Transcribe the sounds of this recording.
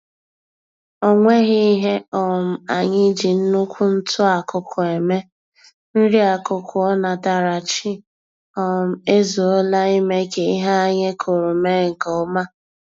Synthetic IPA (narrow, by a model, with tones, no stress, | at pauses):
o˦ŋʷe˦ɣɪ˦i˦ɦe˦ɔ˨m̩˨a˨ɲɪ˦d͡ʒi˨n̩˦nʊ˦kʷʊ˦n̩˦tʊ˦a˨kʊ˨kʰʊ˨e˨me˦ | n̩˦ɾi˦a˨kʊ˨kʰʊ˨ɔ˦na˨ta˨ɾa˨t͡ʃi˦ | ɔ˦˨m̩˨˦e˦zo˨o˦la˦i˦me˦ke˨i˦ɦa˦a˦ɲe˦kʰʊ˨ɾʊ˨me˦ŋ̩˨kɔ˨˦ma˦